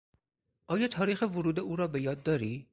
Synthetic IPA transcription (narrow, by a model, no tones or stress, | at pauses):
ʔɒːjɒːt̪ʰɒːɾiːxevoɾuːd̪euːɾɒːbe̞jɒːd̪̚ːɒːɾiː